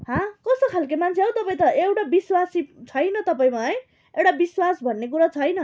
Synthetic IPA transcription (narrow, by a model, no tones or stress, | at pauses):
ɦãkʌsʌkʰalkemant͡sʰeɦʌw̃t̪ʌpaĩt̪ʌewʈabiswasit͡sʰʌjnʌt̪ʌpaĩmaʌj | ewʈabiswasbʱʌnːek̬uɾʌt͡sʰʌjnʌ